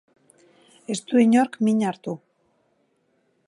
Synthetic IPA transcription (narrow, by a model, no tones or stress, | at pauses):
e̞st̪uiɲoɾkmiɲaɾt̪u